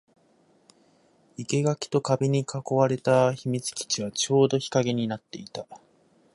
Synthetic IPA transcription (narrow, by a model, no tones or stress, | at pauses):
ike̞ɡakʲi̥t̪o̞kabe̞ɲ̟ikʰako̞βaɾe̞t̪açimʲit͡sɨ̥kʲi̥t͡ɕiβat͡ɕo̞ːd̪o̞çi̥kaɡe̞ɲ̟inat̪ːe̞it̪a